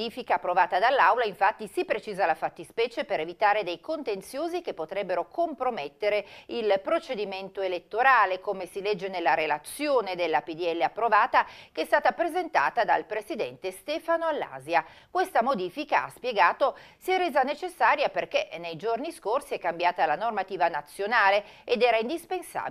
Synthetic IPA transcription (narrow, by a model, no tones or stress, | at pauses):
iːfikaːpːɾovaːt̪ad̪alːawlaiɱfat̪ːisipɾet͡ʃiːzalafat̪ːispɛːt͡ʃepeɾevit̪aːɾed̪ejkont̪ent̪sjoːzikepːot̪ɾɛbːeɾokompɾomet̪ːeɾeilpɾot͡ʃed̪iment̪oelet̪ːoɾaːlekomesilɛd͡ʒːenelːaɾelat̪sːjoːned̪elːapid̪iɛlːeapːɾovaːt̪akeɛst̪aːt̪apɾezent̪a̰ːt̪ad̪a̰lpɾesid̪ɛ̰nt̪est̪ɛːfanoalːa̰ːzjakwest̪amod̪iːfikaa̰spjeɡaːt̪osiɛrːeːzanet͡ʃesːaːɾjaperkenejd͡ʒorniskorsiɛkːambjaːt̪alanormat̪iːvanat̪sːjonaːle | ed̪ɛːɾaind̪ispensa̰ː